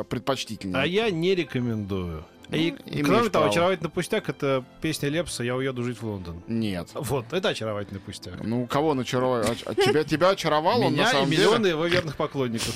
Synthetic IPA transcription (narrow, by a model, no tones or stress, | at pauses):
pɾʲɪt̪̚pɐt͡ɕtʲitʲɪlʲnəajanʲɪɾʲɪkəmʲɪnd̪ujʊ | ikɾomʲɪt̪ɐvoɐt͡ʃɪɾɐvatʲlɪpʊsʲtʲakɛt̪əpʲesʲnʲəlʲepsəjaʊjed̪ʊʐɨtʲvlˠo̞nd̪ənnʲet̪vo̞t̪ɛt̪əɐt͡ɕɪɾɐvatʲɪlʲnɨpʊsʲtʲaknukɐvonɐt͡ɕɪɾɐaɐ̰ɪbʲtʲɪbʲaɐt͡ɕɪɾɐvɑlˠonʲːasaimʲɪlʲɪonɨjɪvovʲernɨxpɐklˠo̞nʲːɪkəf